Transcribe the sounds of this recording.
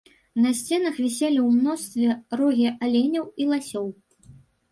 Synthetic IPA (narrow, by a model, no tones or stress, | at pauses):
nɐsʲt͡sʲɛnɐxvʲɛsʲelʲiwmnɔst̪vʲɛrɔɣʲiʔalʲenʲɐwilˠasʲɔw